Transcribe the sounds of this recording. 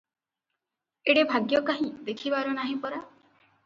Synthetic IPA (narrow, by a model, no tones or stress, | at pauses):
eɽebʱaɡjɔkaɦĩd̪ekʰibaɾunaɦĩpɔɾa